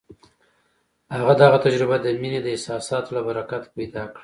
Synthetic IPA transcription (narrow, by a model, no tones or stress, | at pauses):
haɣad̪aɣat̪ad͡ʒɾɪbad̪əmined̪əɪsɑsɑt̪olabaɾakat̪pajd̪ɑkɽa